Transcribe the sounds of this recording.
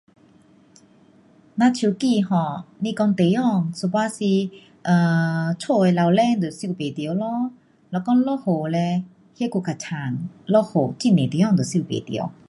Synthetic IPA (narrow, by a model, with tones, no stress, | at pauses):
nã˧t͡ɕʰu˧˩˦ki˥˧˨ɦɔ̃˨˩lĩ˧kɔ˧ŋt̪e˨jɔ˥˧ŋsʰu˨˧˩pwa˧si˧ | ʔə˨˩t͡sʰo˥˧e˧la˧wlɛ˦˥˨ŋd̪o˨˩si˧˨pe˨˩t̪jo˨˦lɔ˦ | lɔ˧˩kɔ˧˥ŋlɔ˦ho˨˩lɛ˧ | he˦ku˧˩ka˨˩t͡ɕʰa˨˩˦ŋlɔ˧˩ho˨˩t͡ɕi˧˥˨nẽ˨t̪e˨˦jɔ˥˨ŋt̪o˨˩si˧˨pḛ˨t̪jo̰˨˧˦